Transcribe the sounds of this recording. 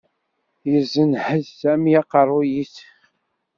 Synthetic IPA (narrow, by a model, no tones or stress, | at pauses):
jəzːənhəðsæmijæqɑrˤːʊjiθ